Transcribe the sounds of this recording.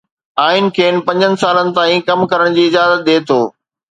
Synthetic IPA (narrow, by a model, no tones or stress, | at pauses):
aːɪnɪ̆kʰeːnpɐ̃ɲd͡ʑənɪ̆saːlənɪ̆t̪ãːĩkɐmkɐɾəɽ̃d͡ʑiːɪzaːzət̪̚ɗ̪eːt̪ʰoː